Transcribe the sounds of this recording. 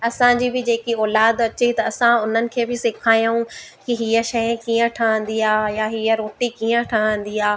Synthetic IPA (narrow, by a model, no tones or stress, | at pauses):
ɐsãd͡ʑiːbɪd͡ʑeːkiɔːlaːd̪ɐt͡ɕet̪ɐːsãʊn̤ənɪ̆kʰeːbɪsɪkʰaːijũkiɦiːəʃɐjkiːə̃ʈʰəʋə̃n̆d̪iɦaːjaɦiːəɾoːʈikiːə̃ʈʰəɦə̃n̆d̪iɦaː